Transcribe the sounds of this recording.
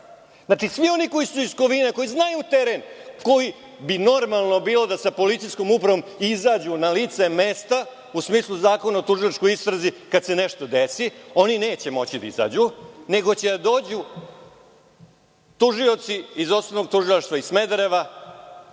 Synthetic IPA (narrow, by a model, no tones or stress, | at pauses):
naːʈ͡ʂisʋio̞niko̞jisuiskoʋineko̞jiznajut̪eɾenko̞ji | bino̞ɾmalˠno̞biːlˠo̞d̪asapo̞lit̪sisko̞mupɾaʋo̞mizaːd͡ʑunalit̪se̞me̞st̪a | usmiːslˠuzaːko̞naot̪uʒilˠaʈ͡ʂko̞jist̪ɾazikad̪se̞ne̞ʂt̪o̞d̪esio̞nine̞ːt͡ɕe̞mo̞t͡ɕid̪a̰ḭza̰ːd͡ʑune̞ɡo̞t͡ɕed̪ad̪o̞ːd͡ʑu | t̪uʒio̞t̪siizo̞st̪oʋnoɡ̚t̪uʒilˠaʃt̪ʋaisme̞d̪ɾeʋa